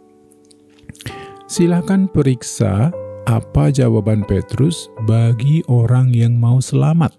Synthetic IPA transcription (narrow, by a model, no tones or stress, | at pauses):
silahkanpəɾiksa̰apad͡ʒawabanpet̪ɾʊsbaɡiʔoɾaŋjaŋmausəlamat̪̚